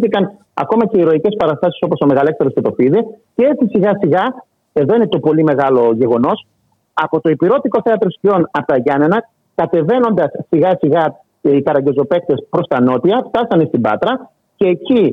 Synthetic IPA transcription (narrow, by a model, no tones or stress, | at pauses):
θikɐn | ɐ̰ko̞mɐce̞iɾo̞ice̞spɐɾɐst̪ɐsi̥so̞poso̞me̞ɣɐle̞kst̪eɾoscet̪o̞fiðicee̞t͡sisiɣɐsiɣɐ | e̞ðo̞ine̞t̪o̞po̞lime̞ɣɐlo̞ʝe̞ɣo̞no̞s | ɐpo̞t̪o̞ipiɾo̞t̪iko̞θeɐt̪ɾospio̞nɐpot̪ɐʝɐnenɐ | kɐt̪e̞ve̞no̞nd̪ɐsːiɣɐsiɣɐ | ikɐɾɐɲɟe̞zo̞pe̞k̚t̪e̞spɾo̞st̪ɐno̞t̪iɐft̪ɐsɐnest̪ibɐ̰t̪ɾɐ | ce̞ːci